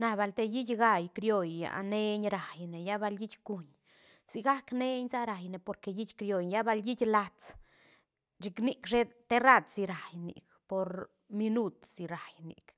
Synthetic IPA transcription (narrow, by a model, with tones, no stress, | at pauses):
na˧ba˧˨lt̪e˧ji˦tʲɡa˧jkɾjo˧jːa̰˨ʔne˧ɲɾa˨jne˨ja˦ba˧lji˦t͡ʃʲku˨˧ɲ | si˧ɡa˦kne˦ɲza˦ɾa˨jne˨po˧ɾke˧ji˦t͡ʃʲkɾjo˧jja˦ba˧lji˦tʲla˧t͡s | d͡ʒi˧kni˧kʃe˦t̪e˦ɾa˦˧d̪si˧ɾa˨jnḭ˨k | po˧ɾ | mi˧nu˦t̪si˧ɾa˨jnḭ˨k